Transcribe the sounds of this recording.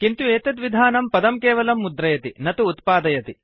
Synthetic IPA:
kint̪ueːt̪ɐt̪ʋid̪ʱaːnɐmpɐd̪ɐmkɛːʋɐlɐmːud̪ɾɐjɐt̪inɐt̪uːt̪paːd̪ɐjɐt̪i

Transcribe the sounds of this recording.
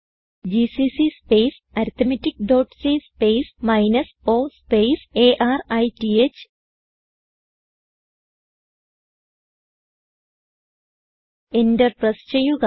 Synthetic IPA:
d͡ʑisisispejs | ɐɾt̪ɐmɐtːikɖoːʈsispejsmɐjnɐs | oːspejseːʔaːrɐjtiet͡ɕ | enderprɐst͡ɕejːuɣɐ

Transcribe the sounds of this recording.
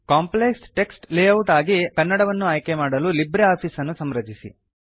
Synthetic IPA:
kaːmpleksʈe̞ksʈleːɐwʈaːɡikɐnːɐɽɐʋɐnːuaːjkemaːɽɐlulibɾeaːpʰiːsɐnːusɐmɾɐd͡ʒisḭ

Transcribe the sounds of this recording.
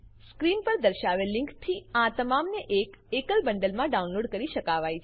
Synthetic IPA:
skɾinpəɾd̪əɾʃaʋelɪ̃ŋkt̪ʰiãt̪əmamneʔekekəlbəɳɖəlmãɖaunloɽkəɾiʃəkaʋajt͡ʃʰ

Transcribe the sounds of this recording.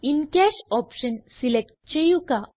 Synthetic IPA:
inkaɕɔpɕənsilek̚ʈ̚t͡ɕejuka

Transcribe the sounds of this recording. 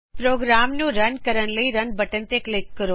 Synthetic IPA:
pɾoːɡɾaːmnũɾɐnkəɾən̆ləiɾɐnbɐʈən̆t̪eklɪkːəɾoː

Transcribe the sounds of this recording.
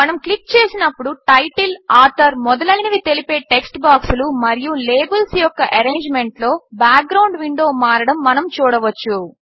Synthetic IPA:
mɐnɐmklik̚t͡ʃe̞ːsinɐpːuɽuʈɐjʈilaːɾt̪ʰɐɾmɔd̪ɐlɐjnɐʋit̪e̞lipe̞ːʈe̞ksʈbaːksulumɐɾijule̞ːbɐlsjɔkːɐʔɐɾe̞ːɲd͡ʒme̞ɳʈlo̞ːbaːk̚ɡɾɐwɳɖʋiɳɖo̞ːmaːɾɐɽɐmːɐnɐmt͡ʃuːɽɐʋɐt͡ʃːu

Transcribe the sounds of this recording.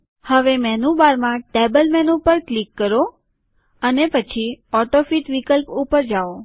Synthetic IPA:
həʋemɛnubaɾmãʈebəlmɛnupəɾklikːəɾo | ənepət͡ʃʰiɔʈofiʈʋikəlpupəɾd͡ʒao

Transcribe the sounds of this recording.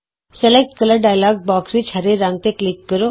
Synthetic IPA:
sɛlek̚ʈkələɾɖaːjlaːɡ̚bɔːksɾit͡ʃʰaɾeɾãːŋɡ̚t̪eklɪkːəɾo

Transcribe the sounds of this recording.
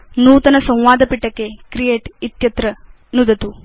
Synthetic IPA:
nuːt̪ɐnɐsɐ̃w̃ʋaːd̪ʱɐpiʈːɐkːekɾijeːʈit̪jɐt̪ɾɐ | nud̪ɐt̪u

